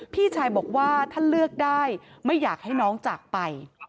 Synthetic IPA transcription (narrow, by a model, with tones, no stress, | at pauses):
pʰiː˥˩t͡ɕʰaː˧jbɔː˨˩k̚waː˥˩t̪ʰa˥˩nlɯ˥˩ək̚daː˥˩jma˥˩jːaː˨˩k̚ha˥˩jnɔː˦˥ŋt͡ɕaː˨˩k̚pa˧j